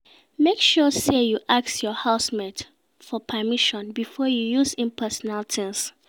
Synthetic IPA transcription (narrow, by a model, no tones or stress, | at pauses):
mekʃɔsejuʔaksjɔhaʊsmɛt | fɔpʰəmiʃɔ̃nbifɔjujuzĩnpʰɛsɔnaltʰĩns